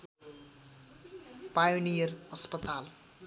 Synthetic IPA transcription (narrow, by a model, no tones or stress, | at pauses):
pajonijʌrʌspʌt̪al